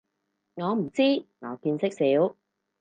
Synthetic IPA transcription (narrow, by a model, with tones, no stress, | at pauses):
ŋɔː˨˧m̩˨˩t͡siː˥ŋɔ̰ː˨˧kiː˧nsɪ˥k̚siː˨˥w